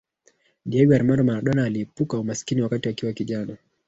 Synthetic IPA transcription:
ɗiaɡaɾmandɔmaɾaɗɔnaːliːpukaumasi̥kiniwakatiwakiwakiʄana

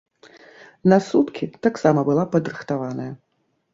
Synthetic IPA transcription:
nasut̪kʲit̪aksamɐbɨlˠapɐd̪ɾɨxt̪avanɐjɐ

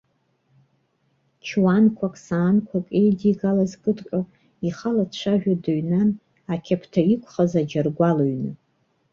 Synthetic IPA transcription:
t͡ʃʰwankʷʰakʼsaːnkʷʰakʼejdiɡalazkʼɨdʼkʼa | iχalat͡ʃʷʰaʒᶣadɨɥnan | akʲʰapʰtʰaikʷʰʼχazad͡ʒarɡʷaloɥnɨ

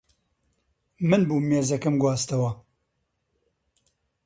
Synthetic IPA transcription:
mɨnbuːmeːzɐkɨmɡwaːst̪ɐwɐ

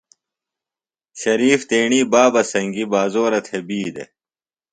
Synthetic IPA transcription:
ɕɐɾiːft̪eːɳiːbaːbɐsɐŋɡibaːzoːɾɐt̪ʰebiːd̪ḛ

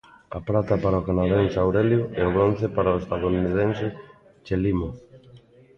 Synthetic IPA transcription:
ɐpɾat̪apaɾaokanaðensawɾeljʊeoɣɾon̟θepaɾaoest̪aðonið̞ensɪ | t͡ʃelimo

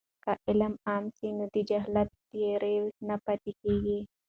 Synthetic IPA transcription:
kaʔɪlamaːmsinud̪id͡ʒaɦlat̪ː | jeɾewnapat̪ikeɡi

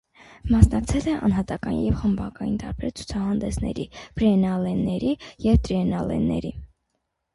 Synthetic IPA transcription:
mɑsnɑk̚t͡sʰɛlɛʔɑ̰nɦɑt̪ɑkɑnjɛvχəmbɑkɑjint̪ɑɾbɛɾt͡sʰu̥t͡sʰɑhɑnd̪ɛsnɛ̰ɾib̥ɾɛnɑlɛnːɛɾijɛvt̪ɾiɛnɑlɛ̰nːɛ̰ɾi

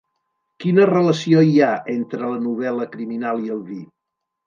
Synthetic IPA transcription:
kinərələsioiaent̪ɾələnuβ̞ɛləkɾiminalˠiəlˠβi

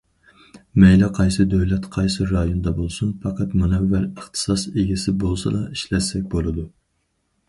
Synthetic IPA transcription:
mɛjlɛqʰɑjsɨd̪øwlɛt̪qʰɑjsɨɾɑjond̪ɑbolˠsunfɑqʰɑt̪munɛvːæləχt̪ʰɨ̥sɑseɡʲisɪbolˠsɑ̰d̪ɑiʃlɛsɛk̚ʲbolˠɨd̪u

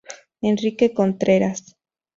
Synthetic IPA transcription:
enrikeko̞nt̪ɾeɾas

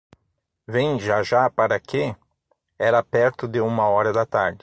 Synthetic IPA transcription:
vẽjd͡ʒaʒapaɾɐkʰɪ | ɛɾɐpɛɾt̪ʊd̪ɪũmɐɔɾɐd̪ɐt̪aɾd̪ɪ

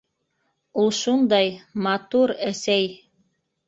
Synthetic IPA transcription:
ulˠʃund̪ɑjmɑt̪uɾæsæj

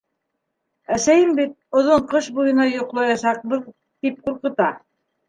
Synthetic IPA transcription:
æsæjɘmbit̪̚ŏðoɴqɤʃbujɤ̆nɑjŏqlˠɑjɑʃɑq̚bɤð | t̪ip̚quɾqɤ̆t̪ɑ

